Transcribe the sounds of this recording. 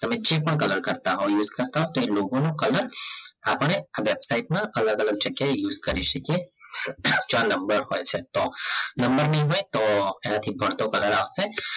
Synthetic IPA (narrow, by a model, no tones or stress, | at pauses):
t̪ɐmẽd͡ʒeːpəɽkɐləɾkɐɾt̪aɦojuːzkɐɾt̪aɦõt̪oeloːɡõnokɐləɾɐpɽ̃eʋeːbsaːɪʈmẽɐləɡɐləɡ̚t͡ʃɐkːejuːzkɐɾiʃɐkie | t͡ʃaːnɐ̃mbəɾɦoːeset̪onɐ̃mbəɾnɐɦĩɦoːet̪oɛːnat̪ʰĩbʱɐɽt̪okɐləɾaːse